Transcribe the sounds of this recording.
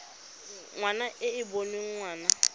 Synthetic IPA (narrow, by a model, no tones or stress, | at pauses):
ŋwanaʔɪɪboneŋ̩ŋwaːna